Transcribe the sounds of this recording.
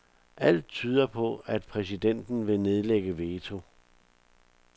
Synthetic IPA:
ʔæl̰d̥̚t͡sʰyːð̞ˠɐpʰɔ̽æd̥̚pʰʁɛs̬id̥en̰d̥n̩ʋe̝ne̝ð̞ˠleɡ̥əʋeːt͡sʰo̝

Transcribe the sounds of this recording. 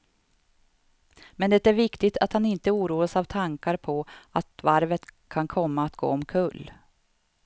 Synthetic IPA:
mɛnd̪ɛt̪æɾvɪkt̪ɪt̪ʰat̪hanɪnt̪əuːɾuːasavt̪ʰaŋkaɾpʰɔat̪vaɾvət̪kʰankʰɔmːaːt̪ɡo̰ːɔmkʰɵlː

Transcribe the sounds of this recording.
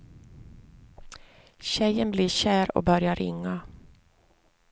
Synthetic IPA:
ʃæɪənbliːʃæːɾo̰ːbœɾjɑɾɪ̰ŋɑ

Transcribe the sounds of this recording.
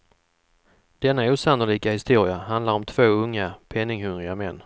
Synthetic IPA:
d̪̥ɛnːauːsanːʊliːkahɪst̪uːɾɪaɦand̪laɾɔmt̪ʰv̥oːɵŋːapʰɛnːɪŋhɵnɾɪɡamɛnː

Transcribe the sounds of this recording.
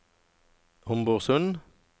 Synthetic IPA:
hʊmbʊːʁsʉn

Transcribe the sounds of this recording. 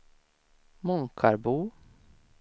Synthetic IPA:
mʊŋkʰaɾbuː

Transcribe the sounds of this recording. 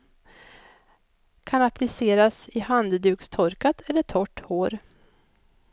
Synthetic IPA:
kʰanaplɪseːɾasɪhand̪d̪ʉ̟ːkst̪ʰɔɾkat̪ʰɛlːəʈʰɔʈːhoːɾ

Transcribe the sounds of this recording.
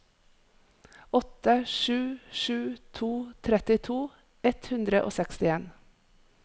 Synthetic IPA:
ɔt̪əʃʉːʃʉːt̪ʰuːt̪ʰɾɛt̪ɪt̪ʰuː | ɛt̪hʉnd̪ɾəʔo̰ːsɛkst̪ɪeːn

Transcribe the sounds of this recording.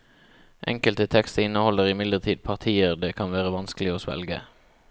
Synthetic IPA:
ʔɛ̰ŋkəlt̪ət̪ʰɛkst̪əɪnəhɔlːəʁɪmɪd̪ləʁt̪ʰiːd̪̚pʰɑʁt̪ʰiːəʁd̪eːkʰɑnʋæːʁəʋɑnskəlɪɔsʋɛ̰lɡə̰

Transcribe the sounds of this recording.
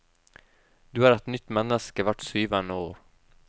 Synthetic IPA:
d̪̥ɵæɾɛt̪nʏt̪ːmanːəskavaʈːsyːvand̪əoːɾ

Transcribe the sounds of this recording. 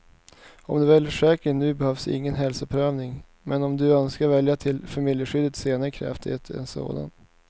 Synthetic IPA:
ɔ̰md̪ɛːvɛlːfœʂɛːkənʉ̟ːbɛhœvsɪ̰ŋːənɦɛlsɔpʰɾøːvnɪŋ | mɛnɔmd̪ɵœnskaɾvɛljat̪ʰɪlfamɪljəɧʏd̪ːət̪seːnaɾəkʰɾɛ̰ft̪ɪheːt̪ɛ̰nso̰ːd̪a̰n

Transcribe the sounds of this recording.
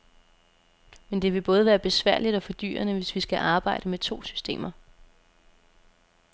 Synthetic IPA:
mend̥e̝ʋe̝b̥ɔ̽ːð̞ˠəʋæːɐb̥e̝sʋæɐ̰lid̥ɒ̽fɒ̽d̥y̰ːɐnəʋe̝sʋisɡ̥æʔɑ̈ːb̥ɑ̈ɪ̰ɾ̥əmet͡sʰo̝̰ːsy̥sd̥e̝̰ːmɐ

